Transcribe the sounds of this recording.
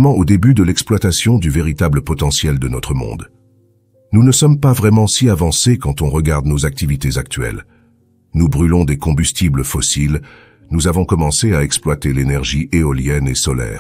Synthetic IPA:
mɑ̃od̪ebyd̪əlɛksplwat̪asjɔ̃d̪yveʁit̪abləpɔt̪ɑ̃sjɛld̪ənɔt̪χəmɔ̰̃d̪ | nunəsɔmpavʁɛmɑ̃siavɑ̃sekɑ̃t̪ɔ̃ʁəɡaʁd̪nozak̚t̪ivit̪ezak̚t̪ɥɛ̰l | nubʁylɔ̃d̪ekɔ̃byst̪ibləfɔsil | nuzavɔ̃kɔmɑ̃seaɛksplwat̪elenɛʁʒiʔeɔljɛnesɔlɛ̰ːʁ

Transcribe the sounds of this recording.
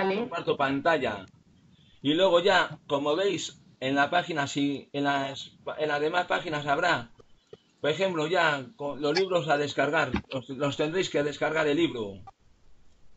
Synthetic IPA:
lwaɾt̪opant̪aʎa̰ | ilwe̞ɣ̞o̞ʝako̞mo̞β̞e̞js | e̞nlapaxinasienaspenlazðe̞maspaxinasaβ̞ɾa | poexe̞mploʝakolo̞zliβɾo̞saðe̞skaɾɣaɾslo̞st̪end̪ɾejske̞ð̞e̞skaɾɣaɾeliβɾu

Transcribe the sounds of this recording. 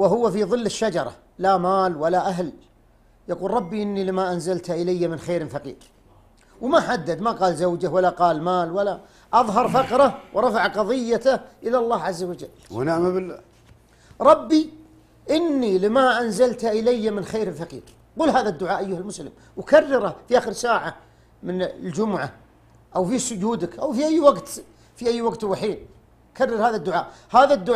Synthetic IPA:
wɪɦʊwːafiðˤɨlːɪʃːad͡ʒɑɾˤɑ̰ | lamaːlwalaʔaɦl | jɑquːlɾˤɑbːiʔɪnːilɪmaʔanzalt̪aʔɪlajːamɪnxeːɾɪmfɑqḭːɾ | wmaħad̪ːad̪maqɑːlzawd͡ʒawalaqɑːlmaːlwala | ʔɑðˤɦɑɾˤfɑqɾˤɑwɾˤɑfaʕqɑðˤɪjːat̪aʔɪlalˤːɑːhʕazːawad͡ʒalːwʔanaʔmabɪla | ɾˤɑbːi | ʔɪnːilɪmaʔanzalt̪ʔɪlajːamɪnxeːɾɪlfɑqḭːɾ | quːlɦaːðad̪ːʊʕaːʔajːʊhalmʊslɪm | wkarˤːɑɾafiʔaːxɪɾsaːʕa | mɪnld͡ʒʊmʊʕa | ʔawfisʊd͡ʒuːd̪ɪkʔawfiʔajːwaɡt̪ | fiʔajːwaɡt̪waħiːn | karˤːɑɾhaːðad̪ːʊʕa̰ːʔhaːðad̪ːʊ

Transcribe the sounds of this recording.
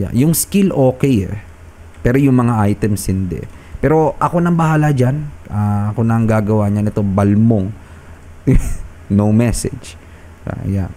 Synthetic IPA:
ja̰jʊŋskilʔo̞ːkɛjɛ̰ | pɛːɾo̞jʊŋmɐŋaʔajt̪ɛmshɪnd̪ɛ̰ | pɛːɾo̞ʔɐko̞nɐŋbɐhaːlad͡ʒanʔaɐko̞nɐŋɡaːɡɐwaɲɐnɪt̪o̞bɐlmoŋ | nowmɛsɛ̰d͡ʒ | a̰ja̰

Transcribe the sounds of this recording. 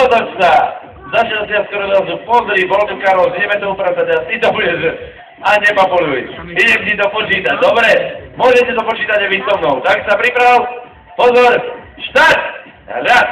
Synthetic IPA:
ɔt̪ɔt͡ʃsa | zaʃsɪat̪kɔɾɔd̪asupɔzɾibɔlt̪ukaɾɔlɡɲɛmɛt̪ɔɦupɾat͡sad̪at̪it̪ɔbuɟɛʒ | aɲɛpapɔluḭiɟɛmt͡ɕit̪ɔpɔt͡ʃiːt̪ad̪ɔbɾɛmʊɔʒɛcɛd̪ɔpɔt͡ʃiːt̪aɟɛʋisɔmnɔʊt̪aksapɾipɾaʋil | pɔzɔɾʃt̪at̪ | ɾa

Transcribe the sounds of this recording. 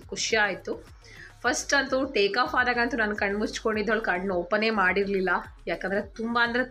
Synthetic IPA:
kuʂjɐaːjit̪u | pʰɐsʈɐnt̪uʈeːkaːpʰaːd̪aːɡɐnt̪unɐnːkɐɳɖmut͡ʃkoɳɖid̪ːoɭkɐɳɖnoːpɐne̞ːmaːɽiɾlilːɐjaːkend̪ɾet̪umbaɐnd̪ɐɾe

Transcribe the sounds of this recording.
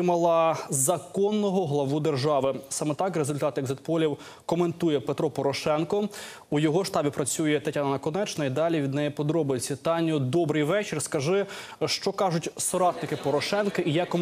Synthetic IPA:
mɐlˠɐzɐkɔnːɔɦɔɦlˠɐʋud̪erʒɑʋɪsɑmɛt̪ɑkɾezʊlʲt̪ɑt̪ɪɡzet̪̚pɔlʲiw | kɔme̞nt̪ujɛpet̪ɾɔpɔɾɔʃɛnkɔ | ujɔɦɔʃt̪ɑbʲipɾɐt͡sʲujɛt̪ɐtʲɑnɐnɐkɔnɛt͡ʃnɐid̪ɑlʲiʋʲid̪nɛjɛpɔd̪ɾɔbʊjt͡sʲɐt̪ɑnʲʊd̪ɔbɾɪjʋɛt͡ʃɪrskɐʒɪʃt͡ʃɔkɑʒʊtʲsɐɾɑt̪nɪkɪpɔɾɔʃɛnkɐʔijɑkːɔ

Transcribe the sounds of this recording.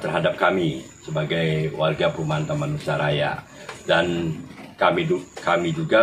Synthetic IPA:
t̪ərɦadap̚kamisəbaɡajwarɡapumant̪amanusaɾaja̰ | dankamiukamid͡ʒuɡa

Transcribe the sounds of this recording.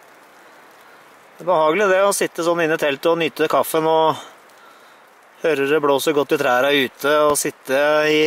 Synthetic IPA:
æbəhɑːɡəlɪd̪ɛɔsɪt̪ːəsɔnːɪnːət̪ʰɛlt̪ɔnʏt̪ːəkʰɑfːənɔ | høːɾəd̪ɛbloːsəɾɡɔt̪ːɪt̪ʰɾæːɾæʉːt̪ʰəɔsɪt̪ːəɪ

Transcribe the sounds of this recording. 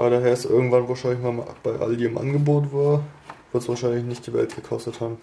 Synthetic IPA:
ʔaːbɐɾaːɦeːɐɪstʔɪ̰ɐɡŋ̩tvanvaːɐʃaɪnlɪçmaːmb̥aɪʔa̰ldiːɪmʔa̰nɡəboːtv̥aːɐ | v̥ɪɐtsv̥aːɐʃaɪnlɪçnɪçt̚d̥iːvɛ̰ltɡ̥əkʰɔstəthaːbm̩

